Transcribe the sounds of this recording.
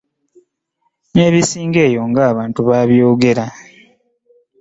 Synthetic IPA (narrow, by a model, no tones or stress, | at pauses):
ne̞ːβisiːŋɡe̞ːjo̞ŋɡaːβaːntuβaβjo̞ːɡe̞ɾa